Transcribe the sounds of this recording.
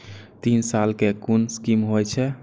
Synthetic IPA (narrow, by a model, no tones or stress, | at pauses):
t̪insalkekunskimɦojt͡ʃʰɛ